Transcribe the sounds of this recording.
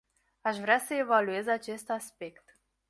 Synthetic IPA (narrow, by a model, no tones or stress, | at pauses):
aʃvɾʲeasəevaluezat͡ʃe̞st̪aspekt̪